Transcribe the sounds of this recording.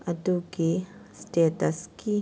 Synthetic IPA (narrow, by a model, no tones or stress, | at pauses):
ʔɐtukistetɐski